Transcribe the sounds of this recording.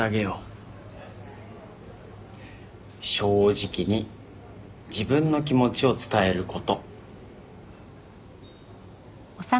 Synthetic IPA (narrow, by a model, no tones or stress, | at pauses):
aɡe̞jo | ɕo̞ːʑikʲiɲ̟i | d͡ʑibɯ̟̃nːo̞k̬ʲimo̞t͡ɕio̞t͡sɨ̥t̪ae̞ɾɯ̟ko̞t̪o̞ | osa